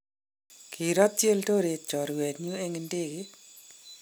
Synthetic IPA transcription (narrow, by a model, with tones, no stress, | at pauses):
kʰi˨ɾɔ˦t̚t͡ʃe˦lto˦ɾe˨t̚t͡ʃɔ˨ɾwɛ˨tɲu˦e˦ŋe˨nde˦kɪ˦